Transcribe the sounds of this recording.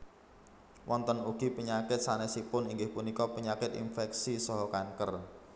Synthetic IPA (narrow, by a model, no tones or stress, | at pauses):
wʔɔnt̪ənuɡ̥i̤pəɲakɪt̪̚sanɛsipʊniŋɡɪhpunikɔpəɲakɪt̪ḭnfɛk̚sisɔɦɔkaŋkər